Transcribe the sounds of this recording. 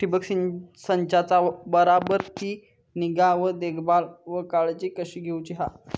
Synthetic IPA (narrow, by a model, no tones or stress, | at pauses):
ʈibəksinsəɲt͡ɕat͡sabəɾabəɾt̪i | niɡaʋəd̪eɡbalʋəkaɭd͡ʑikəɕiːɡʱewt͡ɕiɦa